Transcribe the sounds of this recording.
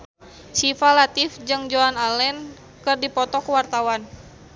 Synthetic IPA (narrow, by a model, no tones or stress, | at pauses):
t͡ʃifalat̪ifd͡ʒɨŋd͡ʒoanalɛn | kɨrdipɔt̪ɔkuwart̪awan